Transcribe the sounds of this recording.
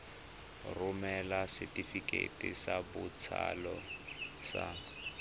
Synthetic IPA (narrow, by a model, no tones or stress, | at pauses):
rʊmɛlasɪtifikʼḛtʼisabʊt͡sʰalɔsa